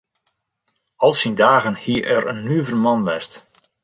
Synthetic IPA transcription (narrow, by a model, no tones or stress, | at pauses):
ɑlˠsindaːɣənhiəʔɛrə̰nːyəvərmɑnʋɛst